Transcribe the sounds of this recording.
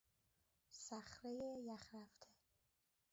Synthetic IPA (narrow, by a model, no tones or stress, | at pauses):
sæχɾejejæχɾæft̪ʰe